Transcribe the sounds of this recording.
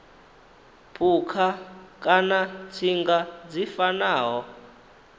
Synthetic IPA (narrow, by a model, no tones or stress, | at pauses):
pʰukʰakʼanat͡sʰiŋɡad͡zifanaːɦɔ